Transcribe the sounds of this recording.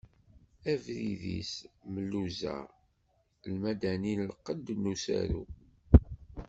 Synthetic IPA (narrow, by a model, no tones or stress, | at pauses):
ævɾiðḭsməlːuzæ̰ | lmæd̪æninlqːəd̪nːusæ̰ɾu